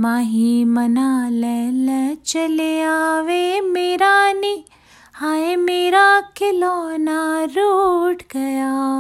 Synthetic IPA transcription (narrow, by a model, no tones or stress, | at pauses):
maːɦimɐnaːlɛlɐt͡ʃɐlejaːʋeːmeːɾaːni | haːjemeːɾaːkɪloːnaɾuʈɡɐjaː